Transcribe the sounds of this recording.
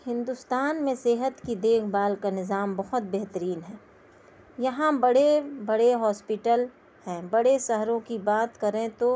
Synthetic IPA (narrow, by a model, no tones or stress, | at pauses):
hɪ̃nd̪ʊst̪aːnmẽseːɦət̪kid̪eːkʰbaːlkanɪzaːmbɐɦʊt̪̚bɛɦt̪əɾiːnɦɛː | jɐɦãbɐɽebɐɽeɦɔːspɪʈəl | hɛ̃bɐɽeʃɐɦɾõkibaːt̪kɐɾẽt̪o